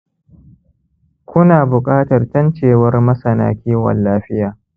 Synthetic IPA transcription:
kʷʊ˦naː˨bʊ˨kʼaː˦tɐ˨rtɐ˦nt͡ʃeː˨wɐ˦rmɐ˦sɐ˨na̰ː˦kʲiː˦wɐ̰˨nːaː˦ɸɪ˦jaː˨

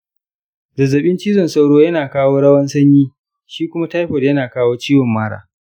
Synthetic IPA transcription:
zɐ˨zːɐ˨ɓɪ˦nt͡ʃiː˦zɔ˨nsa˦wɽoː˦jɐ˦naː˨kaː˦woː˦ɽɐ˦wɐ˦nsɐ˦ɲjiː˦ | ʃiː˦kʷʊ˦ma˦ta˦jɸo˨djɐ˦naː˨kaː˦woː˦t͡ʃiː˦wɐ˨mːaː˦ɽa̰ː˦

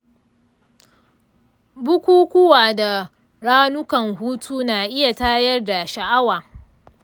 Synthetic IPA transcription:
bʊ˦kʷuː˦kʷʊ˦waː˨da˨ | ɽaː˦nʊ˦kɐ˨ŋhuː˦tʰuː˦naː˨ʔɪ˦ja˨taː˦jɐ˦rda˨ʃa˨ʔa˦waː˨

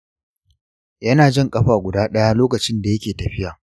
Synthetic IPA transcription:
jɐ˦naː˨d͡ʒɪ˦ŋkʼɐ˦ɸaː˨ɡʷʊ˨daː˦ɗɐ˦jaː˦loː˦kɐ˨t͡ʃɪ˦nda˨jɐ˦kʲeː˨tɐ˨ɸɪ˦jaː˨

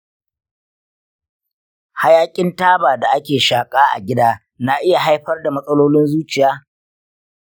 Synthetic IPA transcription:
ha˦jaː˦kʲʼɪ˦ntaː˦baː˨da˨ʔa˦kʲeː˨ʃaː˨kʼaː˦ʔa̰˨ɡʲɪ˦daː˦ | na˦ʔɪ˦ja˨ɦa˦jɸɐ˦rda˨mɐ˦sʼɐ˦loː˦lɪ˦nzuː˦t͡ʃɪ˨jaː˦

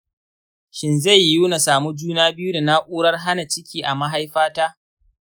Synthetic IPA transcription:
ʃɪ˦nza˦˨jjuː˦na˨saː˨mu˦d͡ʒuː˦naː˦bɪ˦ju˦da˨na˦ʔʷʼuː˦ɽɐ˦rɦa˦na˨t͡ʃɪ˦kʲiː˨ʔa˨ma˦ɦa˦jɸaː˦taː˦

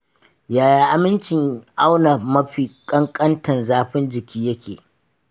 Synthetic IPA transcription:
jaː˨ja˦ʔa˦mɪ˦nt͡ʃɪ˨ŋʔa˦wna˨mɐ˦ɸiː˨kʼɐ˦ŋkʼɐ˦ntɐ˨nzaː˦ɸɪ˦nd͡ʒɪ˨kʲʰiː˦jɐ˦kʲeː˨

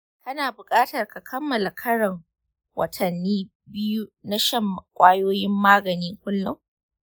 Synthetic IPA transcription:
kɐ˦naː˨bʊ˨kʼaː˦tɐ˨rka˨kʰɐ˦mːɐ˨la˨kʰɐ˦ɽɐ˨ŋ | wɐ̰˨tʰɐ˨nːiː˦ | bɪ˦ju˦na˦ʃɐ˦m˨kʷʼaː˦joː˦jɪ˦mːaː˦ɡɐ˨niː˦ŋkʷʊ˦lːʊ˦ŋ

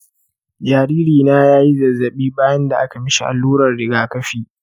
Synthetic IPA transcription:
d͡ʒaː˨ɾiː˦ɾiː˨naː˦jaː˦ji˦zɐ˨zːɐ˨ɓiː˦baː˦jɐ˦nda˨ʔa˦ka˨mɪ˦ʃi˨ʔa̰˨lːuː˦ɾɐ˨rɽɪ˨ɡaː˦kɐ˦ɸiː˨

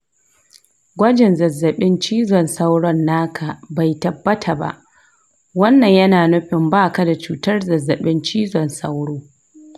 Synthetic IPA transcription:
ɡʷɐ˦d͡ʒɪ˨nzɐ˨zːɐ˨ɓɪ˦nt͡ʃiː˦zɔ˨nsa˦wɽɔ˦nːaː˦kʰa˨ba˨jtɐ˨bːɐ˦tʰa˨ba̰˦ʔ | wɐ˦nːɐ˨ɲjɐ˦naː˨nʊ˦ɸɪ˨mbaː˦ka˨da˨t͡ʃuː˨tɐ˦rzɐ˨zːɐ˨ɓɪ˦nt͡ʃiː˦zɔ˨nsa̰˦wɽoː˦

